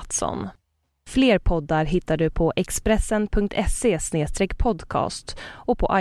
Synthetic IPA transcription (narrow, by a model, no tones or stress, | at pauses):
t̪sɔ̰n | fleːɾpʰɔd̪ːaɾɦɪt̪ːaɖɵpʰɔʔɛkspɾɛsːənpʰɵŋk̚t̪ʰɛseːsneːst̪ɾɛːkːpʰɔd̪kʰɑ̰ːst̪ɔpʰɔʔa